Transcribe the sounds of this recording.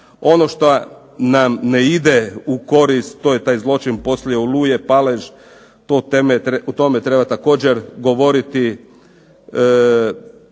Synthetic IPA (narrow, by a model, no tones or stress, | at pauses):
o̞noʃt̪o | namneid̪euko̞ɾist̪ːoːjet̪aːjzlo̞t͡ʃinpo̞sljeoluːjepaleʒ | t̪ot̪emeut̪o̞met̪ɾe̞bat̪ako̞ːd͡ʑeɾɡo̞ʋo̞ɾit̪i